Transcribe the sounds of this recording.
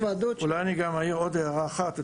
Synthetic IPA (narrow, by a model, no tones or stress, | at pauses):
vad̪oulajaniɡamaiʁod̪ejaʁaːχat̪